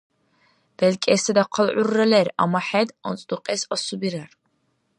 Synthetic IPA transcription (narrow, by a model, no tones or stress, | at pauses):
b̥ɛlkʼɛːsad̪aqʰɔlʕurːɛlɛɾa̰maħɛd̪ɔ̰nt͡sʼd̪uqʼɛsɔsubiɾaɾ